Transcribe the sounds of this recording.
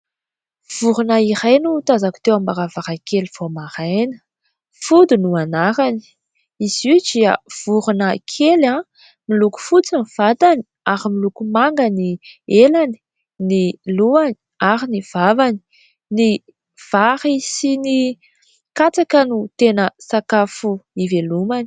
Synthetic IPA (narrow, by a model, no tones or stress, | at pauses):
v̥uɾunaiɾajnut̪azaku̥t̪ewambaɾavaɾakeliv̥omaɾajnə̥ | fud̪inuanaɾani̥ | izid͡ʒiə̰v̥uɾunəkʰelã | miluku̥fut͡sanv̥ad̪ani̥ | aɾimilukumaŋɡənielani̥ | niluani̥ | aɾiniv̥avani̥ | ni | v̥aɾisini | kat͡sakənut̪enəsakafuivelumani̥